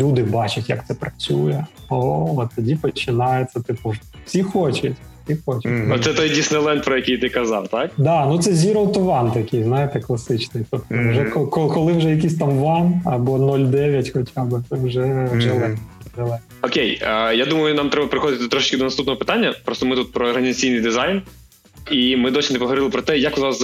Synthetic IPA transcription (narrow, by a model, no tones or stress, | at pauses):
lʲud̪ɪbɑt͡ʃɐtʲjɐ̰k̚t̪sɛpɾɐt͡sʲujɛ | oɔt̪ːɐdʲipɔt͡ʃɪnɑjet̪sʲːɐt̪ɪpʊfsʲixot͡ʃɐtʲ | sʲixot͡ʃɐtʲːt̪sɛt̪ɔjdʲisnɪjlˠɛnt̪̚pɾɔjɐkʲijt̪ɪkɐzɑ̰wt̪ɑkd̪ɑnut̪sɛzʲiɾɔlˠt̪ʊʋɑnt̪ɐkɪjznɑjɪt̪ɛklˠɐsɪt͡ʃnɪjt̪ɔpt̪ɔʋʒɛkɔkɔkɔlˠɪwʒɛjɐk̬ʲisʲt̪ɑmʋɑnɐbɔnɔlʲd̪ɛʋʲjɐtʲxɔt͡ʃʲabɪɛwʒɛʒɛlˠɛninɛlˠɛnɔkʲejəjad̪umɐjʊnɑmt̪ɾɛbɐpɾɪxɔd̪ɪt̪ʲt̪ɾɔʃɪ̥t͡ʃkɪd̪ɔnɐst̪upnɔɦɔpɪ̥t̪anʲːɐpɾɔst̪ɔmɪt̪ut̪̚pɾɔːɾɦɐnʲɪzɐt͡sʲijnɨjd̪ɪzɑjn | imɪd̪ɔsʲɪnɪpɔɦɔʋɾɪlˠɪpɾɔt̪ɛjakʊzʋɑs